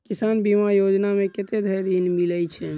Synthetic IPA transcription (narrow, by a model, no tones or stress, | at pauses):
kisanbimajod͡ʒnameket̪ed̪ʱəɾinmilɛt͡ʃʰɛ